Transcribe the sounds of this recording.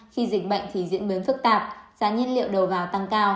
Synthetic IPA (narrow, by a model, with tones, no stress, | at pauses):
xi˧zï˨˩k̟̚ɓə̰˧˨jŋ̟t̪ʰi˨˩˦zḭ˧˥ənɓi˨˦nfɨ˦˥k̚t̪aː˨˩p̚z̥aː˨˦ɲə˧nlḭ˧˨əwɗə˨˩wvaː˨˩wt̪a˧ŋkaː˧w